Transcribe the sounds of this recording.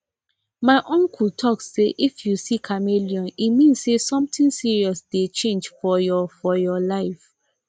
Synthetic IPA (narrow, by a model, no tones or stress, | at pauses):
maɪʔɔ̃ŋkʰultʰɔkseʔifjusikʰamiliɔ̃nimĩnsesɔ̃mtĩŋsiɹiɔsdet͡ʃẽnd͡ʒfɔjɔfɔjɔlaɪf